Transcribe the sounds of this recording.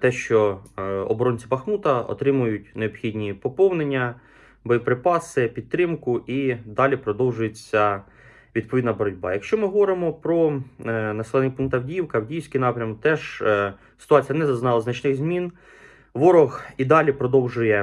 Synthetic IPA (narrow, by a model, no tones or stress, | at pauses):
t̪ɛʃt͡ʃɔɔ̰bɔɾɔnʲt͡sʲipɐxnut̪ɐɔ̰t̪ɾɪmʊjʊtʲneɔbxʲidʲnʲipɔpɔwnenʲːɐ | bɔjipɾɪpɑsɪpʲid̪̚t̪ɾɪmkʊʔid̪ɑlʲipɾɔd̪ɔwʒʊjet͡sʲːɐ | ʋʲid̪pɔʋʲid̪nɐbɔɾɔdʲbɑ̰jɐkʃt͡ʃɔmɪɦɔʋɔɾɪmɔpɾɔnɐsɛlˠnʲkpuŋkt̪ɐwdʲiwkɐwdʲijsʲkʲijnɑpɾʲɐmɔkt̪ɛʒ | sɪ̥t̪ʊɑt͡sʲijɐnɛzɐznɑlˠɐznɐt͡ʃnɪɣzʲmʲin | ʋɔɾɔɣid̪ɑlʲipɾɔd̪ɔwʒʊjɛ